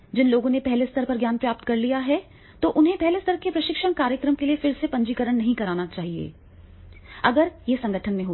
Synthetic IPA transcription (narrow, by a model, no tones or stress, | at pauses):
d͡ʒɪnloːɡõnepɛɦlest̪əɾpɐɾɡjaːnpɾaːp̚t̪kɐɾlijaɦɛ | t̪oːʔʊnɦẽpɛɦlest̪əɾkepɾɐʃɪkʃəɳkaːɾjəkɾəmkeliefɪɾsepɐ̃ɲd͡ʒikəɾəɽ̃nɐɦĩkɐɾaːnat͡ʃaːɦiḛː | ɐɡəɾjesɐ̃ŋɡʱəʈʰənmẽɦoː